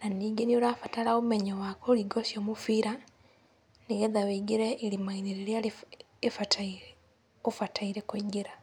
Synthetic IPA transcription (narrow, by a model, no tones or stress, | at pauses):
naniːɡeniolafatalaomeɲowakoːliɡosjomufiɾa | neɡeðaweɡiɾeilimainiɾeljali | efatʰaiɾe | ofataiɾekwiɡiɾa